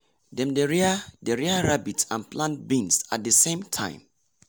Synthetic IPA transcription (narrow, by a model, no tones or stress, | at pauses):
dɛ̃mdɛɹiadɛɹiaɹabitsãnplãnt̚bĩnsat̚dəsẽmtʰã̰ɪ̃m